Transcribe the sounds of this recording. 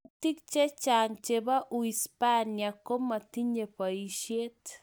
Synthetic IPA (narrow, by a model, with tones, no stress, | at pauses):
ti˦k̚t͡ʃe˦t͡ʃa˨ŋt͡ʃeβa˦ʔu˨ispaniako˦ma˨t̪i˦ɲe˨pa˨iʃje˦t̪